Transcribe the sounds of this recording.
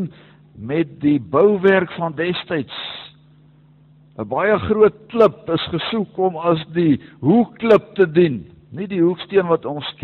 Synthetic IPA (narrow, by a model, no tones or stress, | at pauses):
n | mɛt̚dibəwværkfɐndɛstəjts | ʔəbɐjəχruət̚kləpəsχəsukɔmɐsdiɦukːləp̚tədin | nidiɦukstiənvɐtɔnsk